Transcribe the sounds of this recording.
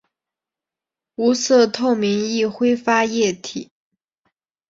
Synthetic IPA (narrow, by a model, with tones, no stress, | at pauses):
u˧˥sɤ˥˧t̪ʰo˥˩ʊmi˧˥ŋi˥˩xwe˥ɪfa˥jɛ˥˩t̪ʰi˨˩˦